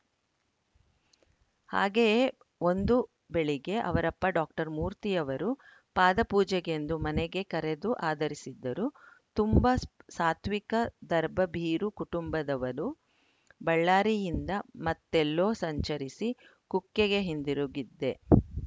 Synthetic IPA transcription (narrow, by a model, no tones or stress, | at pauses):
ha̰ːɡeje | o̞nd̪u | be̞ɭiɡe̞ʔɐ̰ʋɐɾɐpːɐɖaːk̚ʈɐɾmuːɾt̪ijɐʋɐɾu | paːd̪ɐpuːd͡ʒɛɡe̞nd̪umɐnɛɡe̞kɐɾe̞d̪uʔaːd̪ɐɾisid̪ːɐɾut̪umbɐsaːt̪ʰʋikɐd̪ɐɾbɐbʱiːɾukuʈumbɐd̪ɐʋɐɾu | bɐɭːaːɾijind̪ɐmɐt̪ːelːo̞ːsɐɲt͡ʃɐɾisi | kukːeɡe̞ɦind̪iɾuɡid̪ːe̞